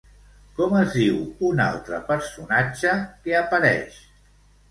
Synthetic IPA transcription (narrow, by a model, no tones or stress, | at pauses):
kɔməzðiwuna̰lˠt̪ɾəpəɾsunad͡ʒəkeəpəɾɛ̰ʃ